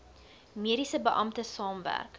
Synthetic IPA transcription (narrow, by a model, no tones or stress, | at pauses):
miəɾisəbəʔɐmtəsɑːmvæ̰rk